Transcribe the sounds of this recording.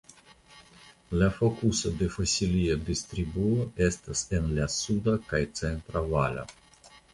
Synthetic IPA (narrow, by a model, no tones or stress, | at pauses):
lafokusod̪e̞fosʲiliod̪ist̪ɾibuoʔe̞st̪asenlasud̪akajt̪t͡sent̪ɾavala̰